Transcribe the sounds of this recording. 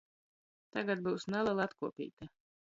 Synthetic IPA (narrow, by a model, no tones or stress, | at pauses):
t̪aɡat̪̚buːsnɛlˠɛlˠat̪kuɔpʲḭːt̪a